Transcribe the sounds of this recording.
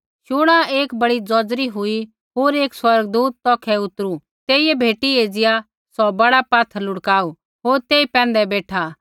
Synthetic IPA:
ʃʊːɽ̃ãeːkbɐɽid͡zɔːd͡zɾiɦʊi | ɦoːɾeːkswɐɾɡd̪uːt̪̚ːɔːkʰɛʊt̪ɾu | t̪eːiɛbʱeːʈieːd͡zɪja | sɔbɐɽapaːt̪ʰəɾlʊɽkaːu | ɦoːɾt̪eːipɛ̃ːnd̪ɛbeːʈʰa

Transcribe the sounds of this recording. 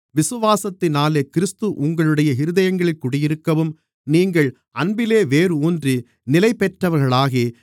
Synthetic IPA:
ʋɪsɯʋaːsɐt̪ːɪnaːleːkɪɾɯst̪ɯʔʊŋɡɐɭɯɽɐjɐɦɪɾɯðɐjɐŋɡɐɭɪlkʊɽɐjɪɾɯkːɐʋɯm | niːŋɡɐɭ | ɐnbɪleːʋeːɾɯuːndri | nɪlɐɪpːɛʈrɐʋɐɾɣɐɭaːɣeː

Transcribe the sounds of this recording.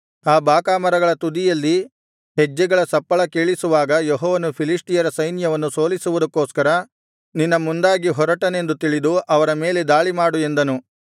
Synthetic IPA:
aːbaːkaːmɐɾɐɡɐɭɐt̪ud̪ijɐlːi | ɦed͡ʒːɛɡɐɭɐsɐpːɐɭɐkeːɭisuʋaːɡɐjɔɦɔːʋɐnupʰiliʂʈijɐɾɐsɐjnjɐʋɐnːuso̞ːlisuʋud̪ɐkːoːskɐɾɐ | ninːɐmund̪aːɡiɦɔɾɐʈɐne̞nd̪ut̪iɭid̪uʔɐʋɐɾɐme̞ːle̞d̪aːɭimaːɽue̞nd̪ɐnu

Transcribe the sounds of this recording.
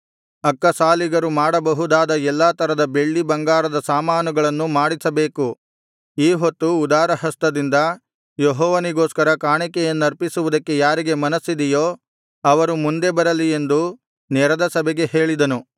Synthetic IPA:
ɐkːɐsaːliɡɐɾumaːɽɐbɐɦud̪aːd̪ɐɛlːaːt̪ʰɐɾɐd̪ɐbe̞ɭːibɐŋɡaːɾɐd̪ɐsaːmaːnuɡɐɭɐnːumaːɽisɐbe̞ːku | iːɦot̪ːuːd̪aːɾɐɦɐst̪ɐd̪ind̪ɐ | jeɦɔːʋɐniɡoːskɐɾɐkaːɳikɛjɐnːuɐɾpisuʋud̪ɐkːe̞jaːɾiɡe̞mɐnɐsːid̪ɛjoː | ɐʋɐɾumund̪e̞bɐɾɐlie̞nd̪u | nɛɾɐd̪ɐsɐbɛɡe̞ɦe̞ːɭid̪ɐnu

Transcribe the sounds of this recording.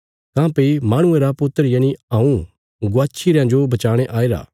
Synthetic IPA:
kãːpemaːɽ̃ʊ̃ẽɾapʊt̪ːəɾjãːniaːũ | ɡʊaːt͡ʃʰiɾjãd͡ʒobɐt͡ʃaːɽ̃eʔaːeɾa̰ː

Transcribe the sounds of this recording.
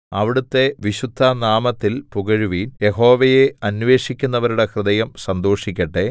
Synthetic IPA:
ɐʋiɽut̪ːe̞ʋiɕud̪ʱːɐnaːmɐt̪ːilpuɣɐɻuʋiːnje̞ɦo̞ːʋɐjeɐnʋe̞ːʂikʲːunːɐʋɐɾuɽe̞krɨd̪ɐjɐmsɐnd̪o̞ːʂikʲːɐʈːe

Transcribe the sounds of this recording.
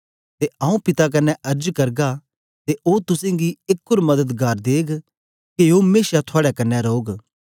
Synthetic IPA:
t̪eʔɐːũpɪt̪ak̬ɐnːɛʔɐɾd͡ʒkɐɾɡa | t̪eʔoːt̪ʊsẽɡiɪkːʊɾmɐd̪ət̪ɡaːɾd̪eːɡ | keomeːsjat̪ʰʊaːɽɛkɐnːɛɾoːɡ

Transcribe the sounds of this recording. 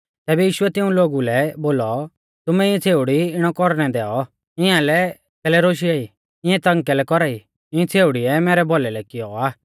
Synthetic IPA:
t̪ɛːbɛjiːʃʊɛt̪ɪũloːɡulɛboːlɔ | t̪ʊmɛɪãt͡sʰeːʊɽiɪɽ̃ɔkɔɾñɛd̪ɛːɔ | ɪãlɛ | kɛːlɛɾoːʃ̬iaːi | ɪ̃ãt̪ɐ̃ŋkɛlɛkɔɾaːi | ɪɛ̃t͡sʰeːʊɽiɛmɛːɾɛbɔlɛlɛkɪjɔaː

